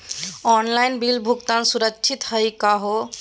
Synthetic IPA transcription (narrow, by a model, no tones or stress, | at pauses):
ɔnlajnbilbʱuɡt̪ansuɾəkːt͡ʃʰit̪həjkaɦo